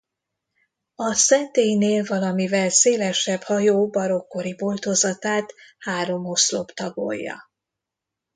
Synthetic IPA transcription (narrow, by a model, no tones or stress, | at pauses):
ɒsɛnt̪eːjneːlvɒlɒmivɛlseːlɛʃɛbhɒjoːbɒɾo̞kːo̞ɾibolt̪ozɒt̪aːt̪haːɾo̞moslo̞pt̪ɒbo̰jːɒ̰